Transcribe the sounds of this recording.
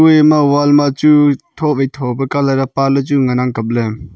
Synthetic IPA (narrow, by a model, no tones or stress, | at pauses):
ujmawalmat͡ʃutʰɔpejtʰɔbɐkalaɾapalɐt͡ʃuŋanaŋkɐp̚le